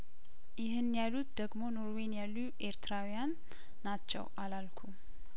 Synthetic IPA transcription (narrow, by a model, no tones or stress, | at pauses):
jɪɦɨnjalːut̪d̪əɡmo̞no̞ɾwe̞njalːuʔe̞ɾt̪ɾawijanː | at͡ʃːɛ̰wʔalalkʰu